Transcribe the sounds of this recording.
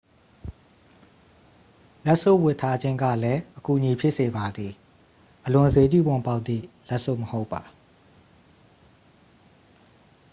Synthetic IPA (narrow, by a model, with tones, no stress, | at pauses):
lɛ˦ʔso̰˦˨wɪ˦˨tʰa˦d͡ʑɪ̃˦ŋɡa̰˦˨lɛ˦ʔəku˨ʔəɲi˨pʰjɪ˦ʔse˨ba˨d̪ði˨ | ʔəlʊ̃˨ʔəze˦t͡ɕṵ˦˨bʊ̃˨mpa˦ʊt̪ðḭ˦˨lɛ˦ʔso̰˦˨məho˦ʊpːa˨